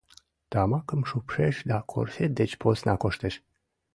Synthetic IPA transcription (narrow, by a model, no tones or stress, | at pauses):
t̪amakɨmʃupʃeʃd̪akʰo̰ɾfed̪et͡ʃpʰosnakoʃt̪eʃ